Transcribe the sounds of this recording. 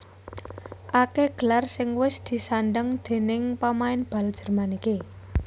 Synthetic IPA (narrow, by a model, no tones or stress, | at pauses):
ʔakeɡ̥əlarsɪŋwɪsd̪̥i̤sanɖəŋd̪̥e̤nɪŋpamaɪnb̥a̤ld̥ʒ̥ə̤rmanike